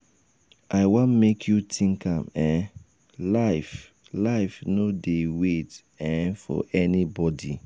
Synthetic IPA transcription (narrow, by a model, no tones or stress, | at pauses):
aɪwãnmekʰjutʰĩŋkãmɛ̃ | laɪf | laɪfnodewet | ɛ̃fɔ̰ʔɛnibɔdi